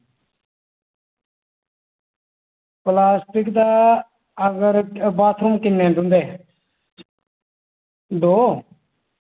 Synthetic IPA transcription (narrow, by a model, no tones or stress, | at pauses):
plaːsʈɪkd̪aː | əɡəɾbaːt̪ʰɾũːkɪnːẽːd̪ʊ̃nd̪eː | d̪oː